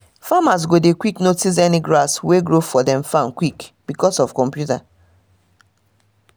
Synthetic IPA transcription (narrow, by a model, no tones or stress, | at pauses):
famas̬ɡodekwiknotis̬ɛniɡɹasweɡɹofɔdɛ̃mfãmkwikb̥ikɔsɔfkɔ̃mpjuta